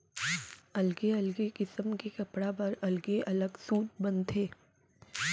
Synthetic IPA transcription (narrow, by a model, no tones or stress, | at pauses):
ɐlɡeɐlɡekɪsəmkekɐpɽapɐɾɐlɡeʔɐləɡsuːt̪̚bɐ̃nt̪ʰeː